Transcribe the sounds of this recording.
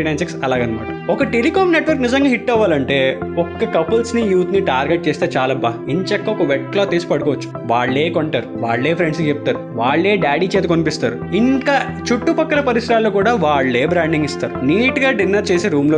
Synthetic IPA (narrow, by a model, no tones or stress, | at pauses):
iɖɐːnseksɐlaːɡɐnɐmɐniɔkɐʈelikaːmneʈʋɐɾknizɐŋɡaːɦiʈːɛʋːaːlɐɳʈe̞ːɔkːɐkɐpɐlsnijuːt̪niʈaːɾɡeʈ̚t͡ʃeːst̪eːt͡ʃaːlɐbːaːiɲt͡ʃɐkːɐɔkɐʋɛʈlaːt̪eːsi̥pɐɽukɔːʋɐt͡ʃːu̥ | ʋaːɭːe̞ːkoɳʈaːɾuʋaːɭːe̞ːpʰɾeɳɖsit͡ʃeput̪aːɾuʋaːɭːeːɖaːɖiːt͡ʃeːt̪ekonipist̪aːɾuiŋkaː | t͡ʃuʈːupɐkːɐlɐpɐɾisɾaːlːoːkuːɽaːʋaːɭːeːbɾaːɳɖiŋɡist̪aːɾuniːʈɡaːɖinːɐɾt͡ʃeːseːɾuːmloː